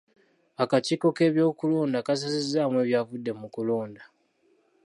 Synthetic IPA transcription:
akatiːko̞ke̞ːβjo̞ːkuloːndakas̬asizaːmwe̞ːβjavudːe̞mukuloːnda

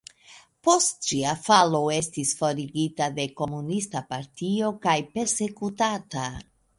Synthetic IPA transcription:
po̞stt͡ʃiafalo̞e̞stisfo̞ɾiɡitade̞ko̞munistapaɾtio̞kajpe̞ɾse̞kutata

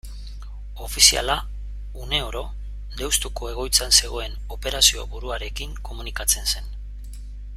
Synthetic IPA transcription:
o̞fisia̰la | une̞o̞ɾo̞ | d̪e̞wst̪uko̞e̞ɣ̞o̞jt͡sanse̞ɣ̞o̞e̞n | o̞pe̞ɾasio̞̰βuɾuaɾe̞kiŋko̞munikat͡se̞nse̞n

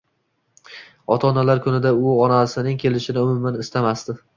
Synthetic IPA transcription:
ɒt̪ʰɒnalaɾkʰʊnɪd̪aʊɒnasɪnɪŋkʲʰe̞lɪʃɪnɪʊmʊmːanɪst̪amast̪ɪ

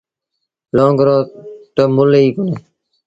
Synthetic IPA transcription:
lõːŋɡɾoːt̪omʊliːkʊneː

